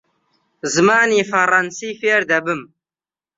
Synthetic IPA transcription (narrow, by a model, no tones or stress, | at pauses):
zɨmaːniːfɐrɐnsiːfeːɾd̪ɐbɨm